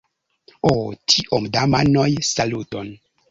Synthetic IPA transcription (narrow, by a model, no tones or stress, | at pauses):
otʰiʔomdamanojsaluton